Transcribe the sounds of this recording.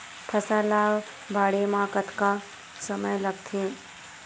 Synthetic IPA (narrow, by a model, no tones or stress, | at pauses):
pʰəsalaːʋ | bʱaːɽemãːkət̪ka | səməjləɡ̚t̪ʰe